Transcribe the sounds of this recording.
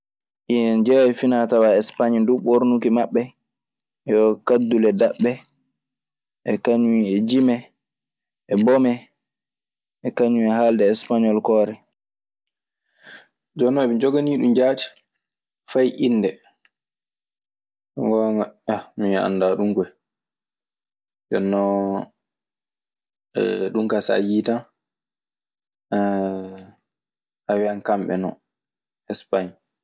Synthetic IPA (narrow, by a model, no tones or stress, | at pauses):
ʔiɛnd͡ʒɛwajfinatawaɛspaɲnduɓoɾnukimaɓːɛ | ɔkadːulɛdaɓːɛ | ʔɛkaɲuiɛd͡ʒimɛ | ʔɛbɔmɛ | ʔɛkaɲuɛhaldɛːspaɲɔlkɔːɾɛ | d͡ʒɔnɔmid͡ʒɔɡaniɗumd͡ʒaːti̥ | fajʔinːdɛ | ŋɡɔmaamia̰nːdaɗuŋɡɔj | d͡ʒɔnːɔ | ɛ̰ɗumkasa̰jiːta | ʔawiankamɓɛ̰nɔ̰ | ɛspaɲ